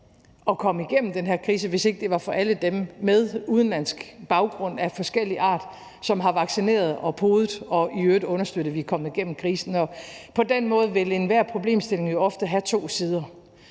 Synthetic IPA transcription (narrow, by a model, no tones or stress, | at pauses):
ɒ̽kʰɒ̽məiɡ̥en̰m̩d̥enɦeɐkʰʁiːs̬əʋe̝se̝ɡ̥əd̥e̝ʋɑ̈fɒ̽ʔæləd̥emːeð̞ˠuð̞ˠn̩læn̰sɡ̥b̥ɑ̈ʊɡ̥ʁɔ̽n̰æfɒ̽sɡ̥el̰iʔɑ̰̈ːd̥ | sɒ̽mɦɑ̈ʋɑ̈ɡ̥sine̝̰ːɐð̞ˠɒ̽pʰoːðˠð̩ˠɒ̽iøːd̥ɔ̽nɐsd̥øɾ̥̩ˠʋikʰɒ̽m̰ð̩ˠiɡ̥en̰m̩kʰʁiːsn̩ɒ̽pʰɒ̽d̥en̰mɔ̽ːð̞ˠʋe̝lenʋæɐ̰pʰʁo̝b̥le̝̰ːmsd̥e̝le̝ŋjo̝ɒ̽fd̥əɦæt͡sʰo̝̰ːsiːð̞ˠɐ